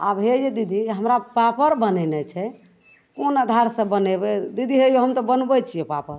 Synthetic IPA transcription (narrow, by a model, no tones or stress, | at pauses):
a̰bɦejed̪id̪ʱiɦəmɾapapəɾbənɛnɛt͡ʃʰɛ | konəd̪ʱaɾsə̃bənebɛd̪id̪ʱiɦejoɦəmt̪ɔbənbɛt͡ʃʰijɛpapəɾ